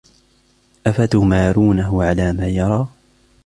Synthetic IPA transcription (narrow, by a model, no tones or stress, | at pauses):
ʔafat̪ʊmaːɾuːnaɦʊʕalaːmaːjɑɾˤɑː